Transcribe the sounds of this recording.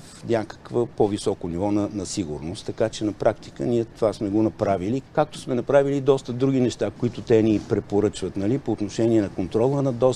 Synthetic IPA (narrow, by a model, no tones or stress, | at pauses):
fnʲakə̥kvəpɔvisɔkonivɔnɐnɐsiɡʊɾnost̪ːɐkat͡ʃɛnɐpɾʔakt̪i̥kə̰niɛt̪ovasmɛɡonɐpɾavilikak̚t̪o̥smɛnɐpɾavilid̪ɔst̪əd̪ɾuɡ̟inɛʃt̪akoit̪ʊt̪ɛnipɾɛpoɾɤt͡ʃvət̪nɐlipoːt̪noʃɛniɛnɐkont̪ɾɔlˠənɐd̪ɔ